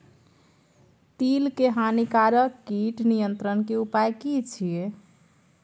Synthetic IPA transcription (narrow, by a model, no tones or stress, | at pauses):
t̪ilkeɦanikaɾəkːiʈnijənt̪ɾənkeupajkit͡ʃʰije